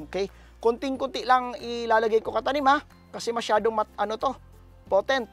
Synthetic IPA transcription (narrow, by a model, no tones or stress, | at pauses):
kɛj | kʊnt̪ɪŋkʊnt̪ɪʔlaŋɪlaːlɐɡɐjkokɐt̪ɐnɪma | kɐsɛmɐʃaːd̪oŋmɐʔɐnot̪o̞ | pot̪ɛnt̪̚